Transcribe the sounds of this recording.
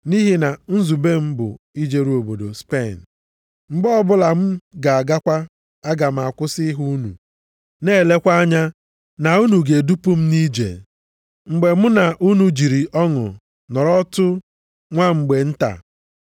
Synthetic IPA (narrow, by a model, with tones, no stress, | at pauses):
ni˦ɦi˦na˨n̩˦zu˨be˦m̩˦bʊ̰˨ | i˦d͡ʒe˦ɾu˦o˨bo˨do̰˨spe˦˨n̩˨ | ŋ͡m̩˨ɡ͡bɔ˦ɔ˦bʊ˦la˨m̩˦ɡa˨a˨ɡa˦kʷa˦ | a˦ɡa˨m̩˨a˨kʷʊ˦sɪ˦ɦu˦nṵ˨ | ne˦˨le˦kʷa˦a˦ɲa˦ | na˨u˦nu˨ɡe˨du˦pʊ˦m̩˦ni˦d͡ʒḛ˨ | ŋ͡m̩˨ɡ͡be˨m̩˦na˨ʔu˦nu˦d͡ʒi˨ɾi˨ʔɔ˦ŋʊ̰˨ | nɔ˨ɾɔ˦tʊ˦ | ŋʷa˦ŋ͡m̩˨ɡ͡be˨n̩˦ta̰˨